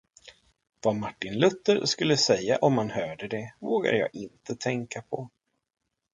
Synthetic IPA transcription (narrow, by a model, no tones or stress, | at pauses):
vamaʈːɪnlɵt̪ːəɾskɵlːəsɛjːa̰ʔɔmhanhœːɖəd̪ɛvoːɡa̰d̪əjɑ̰ːɡɪnt̪ʰət̪ʰɛŋkapʰɔ